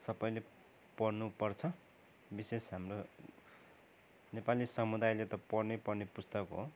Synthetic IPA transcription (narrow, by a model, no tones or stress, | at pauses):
sʌpʌjle | pʌrnupʌrt͡sʰʌ | bisesɦamro | nepalisʌmud̪ajlet̪ʌpʌrnepʌrnepust̪ʌkɦo